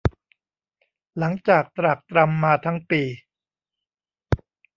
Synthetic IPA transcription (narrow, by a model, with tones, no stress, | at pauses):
la˩˦ŋt͡ɕaː˨˩k̚t̪ɾa˨˩k̚t̪ɾa˧mːaː˧t̪ʰa˦˥ŋpiː˧